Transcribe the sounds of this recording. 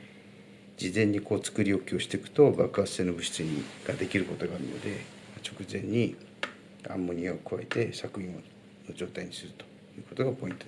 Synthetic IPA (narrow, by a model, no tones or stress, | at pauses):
d͡ʑizẽ̞ɲ̟ːiko̞ːt͡sɨ̥kɯɾʲio̞kʲio̞ɕi̥t̪e̞kɯ̟̥t̪o̞bakɯ̟ḁse̞ːno̞bɯ̟ɕi̥t͡sɨɲiɡ̥ad̪e̞kʲiɾɯ̟ko̞t̪o̞ɡaːɾɯ̟no̞̰d̪e̞ | mat͡ɕo̞kɯ̟zẽ̞ɲ̟ːi | ã̰mːoɲ̟iaokɯ̟βae̞t̪e̞sakɯ̟ĩo | nod͡ʑo̞ːt̪aiɲ̟isɨɾɯ̟t̪o̞̥ | jɯ̟ːko̞t̪o̞ɡapo̞ĩnt̪o